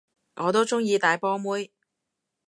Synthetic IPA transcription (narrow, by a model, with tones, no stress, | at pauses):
ŋʔɔː˨˧t̪̬o˥wt͡ʃʊ˥ŋjiː˧t̪aː˨jpɔː˥muː˥j